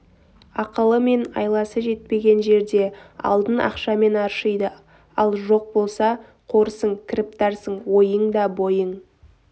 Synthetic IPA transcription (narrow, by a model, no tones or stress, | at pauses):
ɑqəlˠəme̞nɑ̰jlˠɑsəʒe̞t̪̚pe̞ɡʲe̞nʒe̞ɾd̪e̞ɑ̰lˠd̪ənɑ̰qʃɑme̞nɑɾʃəjd̪ə | ɑlˠʒo̞q̚bo̞lˠsɑ | qʰo̞ɾsəɴkʲʰɪɾɪp̚t̪ɑɾsəɴwo̞jəɴd̪ɑbo̞jəɴ